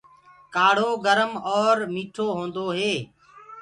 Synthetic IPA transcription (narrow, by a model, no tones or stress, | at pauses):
kaːɽ̤oːɡəɾəmɔːɾmiːʈʰoːɦõːnd̪oːɦeː